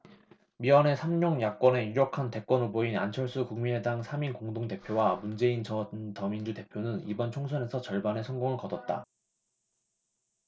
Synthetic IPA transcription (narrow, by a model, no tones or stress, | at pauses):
miwane̞sʰamɲoŋjak͈̚wʌne̞uɾjʌkʰante̞k͈wʌnuboina̰nt͡ɕʰʌɭs͈ʰukuŋmine̞daŋsʰaminkoŋdoŋte̞pʰjowamund͡ʑe̞int͡ɕʌntʌmind͡ʑute̞pʰjonɯnḭbʌnt͡ɕʰoŋsʰʌne̞sʰʌt͡ɕʌɭbane̞sʰʌŋɡoŋɯɭkʌdʌt̚t͈a̰